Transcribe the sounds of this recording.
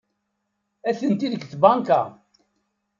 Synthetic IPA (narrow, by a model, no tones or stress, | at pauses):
æθənt̪iðəkːθbɑŋka̰